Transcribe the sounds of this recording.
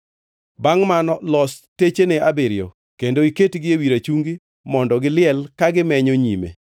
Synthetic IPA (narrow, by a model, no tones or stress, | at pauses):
baŋmanɔlɔstet͡ʃeneabɪɾjɔ̰ | kendoiketɡɪewiɾat͡ʃuŋɡi | mɔndɔɡɪlɪɛlkaɡɪmɛɲoɲimḛ